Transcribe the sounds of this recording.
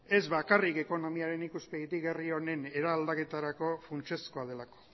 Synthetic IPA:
e̞zβakarike̞ko̞no̞miaɾe̞nikuspeɣit̪iɣe̞rio̞ne̞ne̞ɾaːld̪ake̞t̪aɾako̞funt͡ʃe̞sko̞að̞e̞lako̥

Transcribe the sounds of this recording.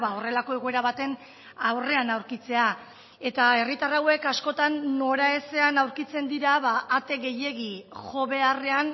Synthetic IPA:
ao̞re̞lako̞e̞ɣoe̞ɾaβat̪e̞n | awre̞anawɾkit͡se̞a | e̞t̪ae̞rit̪arawe̞kasko̞t̪anːo̞ɾae̞se̞anawɾkit͡se̞nd̪iɾaβaʔːt̪e̞ɣe̞je̞ɣiʝo̞βe̞are̞an

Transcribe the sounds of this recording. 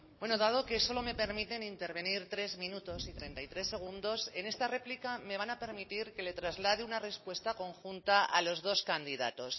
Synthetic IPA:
bwe̞noðað̞o̞ke̞so̞lo̞me̞pe̞ɾmit̪e̞nint̪e̞ɾβe̞niɾt̪ɾe̞zmĩnut̪o̞sit̪ɾe̞nt̪ajt̪ɾe̞sːe̞ɣ̞und̪o̞se̞ne̞st̪are̞plikame̞β̞anape̞ɾmit̪iɾkke̞le̞t̪ɾazlað̞eunare̞spwe̞st̪ako̞ŋxunt̪aʔa̰lo̞zð̞o̞skand̪iða̰t̪o̞s

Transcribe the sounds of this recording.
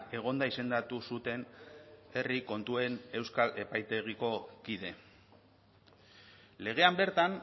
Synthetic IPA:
e̞ɣ̞o̞nd̪aise̞nd̪at̪usut̪e̞n | e̞riko̞nt̪ue̞ne̞wskale̞pajt̪e̞ɣiko̞kiðe̞ | le̞ɣ̞e̞ambe̞ɾt̪an

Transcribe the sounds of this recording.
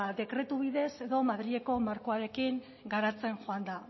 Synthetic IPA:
d̪e̞kɾe̞t̪uβiðe̞se̞ðo̞maðɾie̞ko̞maɾko̞aɾe̞kiŋ | ɡaɾat͡se̞ŋʝo̞and̪a

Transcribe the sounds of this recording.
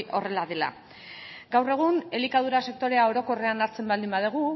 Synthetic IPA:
ʔo̞re̞laðela̰ | ɡawre̞ɣ̞une̞likað̞uɾase̞k̚t̪o̞ɾe̞ao̞ɾo̞ko̞re̞anaɾt͡se̞mbald̪imbað̞eɣ̞u

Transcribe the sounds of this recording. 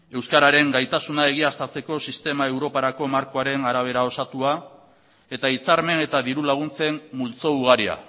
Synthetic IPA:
e̞wskaɾaɾe̞ŋɡajt̪asunae̞ɣiast̪at͡se̞ko̞sist̪e̞maewɾo̞paɾako̞maɾko̞aɾe̞naɾaβ̞e̞ɾao̞sat̪ua | e̞t̪ait͡saɾme̞ne̞t̪aðiɾulaɣ̞unt͡se̞mmult͡so̞uɣ̞aɾia̰

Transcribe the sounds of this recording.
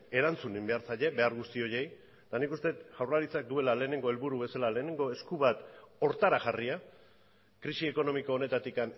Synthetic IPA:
e̞ɾant͡sunimbe̞aɾsaʎe̞be̞aɾɣust̪io̞je̞j | t̪anikust̪e̞t̪ʝawrlaɾit͡sak̚d̪ue̞lale̞ːne̞ŋɡo̞e̞lβuɾuβe̞salale̞ːne̞ŋɡo̞e̞skuβat̪o̞ɾt̪aɾaʝaria | kɾisie̞ko̞no̞miko̞ːne̞t̪at̪ikan

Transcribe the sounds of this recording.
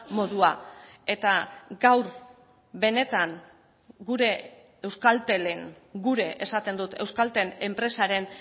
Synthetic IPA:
mo̞ðuae̞t̪aɡawɾ | βe̞ne̞t̪aŋ | ɡuɾe̞ | ewskalt̪e̞leŋ | ɡuɾe̞ʔesat̪e̞nd̪ut̪e̞wskalt̪e̞ne̞mpɾe̞saɾe̞n

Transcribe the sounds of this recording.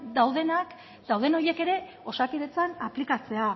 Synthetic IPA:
d̪awðe̞nak | d̪̥awðe̞no̞je̞ke̞ɾe̞ | o̞sakiðet͡sanaplikat͡se̞a

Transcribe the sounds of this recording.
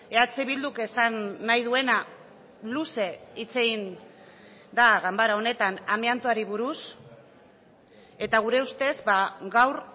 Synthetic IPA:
e̞at͡seβild̪ukesanːajðue̞na | luse̞it͡se̞ɣin | d̪aɣambaɾao̞ne̞t̪anamiant̪uaɾiβ̞uɾus | e̞t̪aɣ̞uɾe̞ust̪e̞zbaɡawr

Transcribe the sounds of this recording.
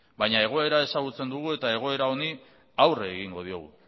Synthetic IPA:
baɲae̞ɣ̞o̞e̞ɾae̞saɣut͡se̞nd̪uɣ̞ue̞t̪ae̞ɣ̞o̞e̞ɾao̞ni | awreːɣiŋɡo̞ð̞io̞̰ɣ̞ṵ

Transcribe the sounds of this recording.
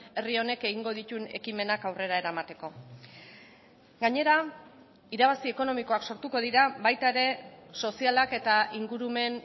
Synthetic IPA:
e̞rio̞ne̞ke̞ɣiŋɡo̞ðit̪une̞̰kime̞nakawre̞ɾae̞ɾamat̪e̞ko̞ | ɡaɲe̞ɾa | iɾaβ̞asie̞ko̞no̞miko̞akso̞ɾt̪uko̞ðiɾaβajt̪aeɾe̞so̞sialake̞t̪aiŋɡuɾume̞n

